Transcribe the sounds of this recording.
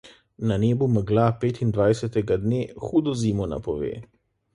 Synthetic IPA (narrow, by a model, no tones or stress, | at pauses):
naneːbuməɡlapeːt̪ind̪ʋajsɛt̪ɛɡad̪neːxuːd̪ɔziːmɔna̰pɔʋḛː